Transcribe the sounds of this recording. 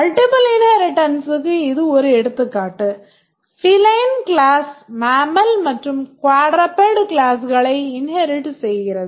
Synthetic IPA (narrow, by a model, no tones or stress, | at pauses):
mɐlʈipɐlɪnhɐɾɪʈːɐnsɯkːɯɪðɯɔɾɯɛɽɯt̪ːɯkːaːʈːɯ | fɪlɐɪnkɭaːsmaːmɐlmɐʈrɯmkwaːɽɾɐpːeɽklaːsɣɐɭɐɪɪnhɐɾɪʈsɛjɣɪɾɐðɯ